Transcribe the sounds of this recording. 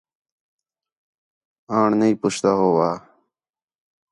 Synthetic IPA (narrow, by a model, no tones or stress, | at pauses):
ãːɳnɐipʊɕt̪aɦoːwaː